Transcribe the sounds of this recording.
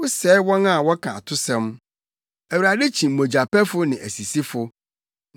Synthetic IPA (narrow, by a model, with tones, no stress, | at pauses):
ʊ˦sɛː˨˦wɔ̃˦na˦˨wɔ˦kʰa̰˨tʰʊ˦sɛ̃˦m | æ˨wu˨ɾa˨dɛ˦t͡ɕʰĩ˨m̩˨mõ˨d͡ʑa˨pɛ˦fʊ˦nɪ̃˨ʔæ˨si˨si˦fʊ˦